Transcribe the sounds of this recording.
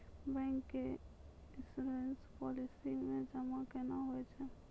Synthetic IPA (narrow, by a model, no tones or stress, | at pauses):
bɛ̃ːŋkːe | ɪsuɾenspɔlisimed͡ʒəmakɛnaɦoɛt͡ʃʰɛ